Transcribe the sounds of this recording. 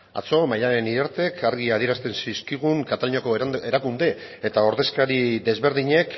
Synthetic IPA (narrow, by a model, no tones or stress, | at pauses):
a̰t͡so̞maʎaɾe̞niðeɾt̪e̞kʰaɾɣiað̞ie̞ɾast̪e̞nsiskiɣ̞uŋkat̪aluɲoko̞e̞ɾakund̪e̞ | et̪ao̞ɾðe̞skaɾiðe̞zβe̞ɾðiɲe̞k